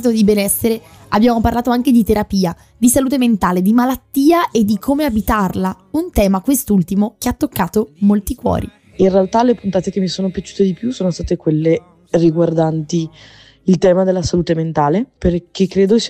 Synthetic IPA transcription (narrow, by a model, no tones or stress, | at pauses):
t̪od̪ibenɛsːeɾe | abːjaːmoparlaːt̪oaŋked̪it̪eɾapiːa | d̪isaluːt̪̬ement̪aːled̪imalat̪ːiːaʔed̪ːikʰomeabit̪arla | unt̪ɛːmakwest̪ult̪imok̟eat̪ːokːaːt̪omolt̪ikwɔ̰ːɾḭ | inrealt̪alepunt̪aːt̪ekemːisoːnopjat͡ʃu̥ːt̪ed̪ipjusoːnost̪aːt̪ekwelːe | riɡward̪ant̪i | ilt̪ɛːmad̪elːasaluːt̪ement̪aːleperkekːɾeːd̪os